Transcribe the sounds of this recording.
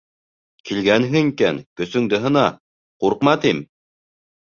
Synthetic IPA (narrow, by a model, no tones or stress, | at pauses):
kilɡænɦɘŋikænkɵ̆sɵ̆ŋd̪ɘ̆ɦɤ̆nɑ | quɾqmɑt̪im